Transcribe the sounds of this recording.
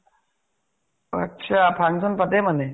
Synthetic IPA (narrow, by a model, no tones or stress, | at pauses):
a̰k̚t͡ʃʰapʰaŋzɔnpatɛmanɛ